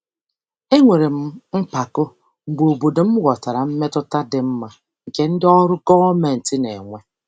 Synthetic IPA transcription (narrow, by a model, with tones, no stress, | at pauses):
e˦ŋʷe˨ɾe˨m̩˦m̩˦k͡pa˨kʊ˦ | ŋ͡m̩˨ɡ͡bo˨bo˨do˨m̩˦wʷɔ˨ta˨ɾa˨m̩˦me˦tʊ˦ta˦dɪ˨m̩˦ma˦ | ŋ̩˨ke˦n̩˦dɪ˦ɔ˦ɾʊ˦ɡɔ˦me˨n̩˨tɪ˦ne˨ŋʷe˦